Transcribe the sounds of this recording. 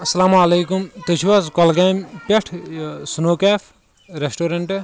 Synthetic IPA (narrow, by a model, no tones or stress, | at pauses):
ɐsɐlaːmɐleːkumt̪ɐt͡ʃʰʋazkɐlkaːmpʲeʈʰsunoːkaːpʰ | ɾesʈoːɾɐɳʈ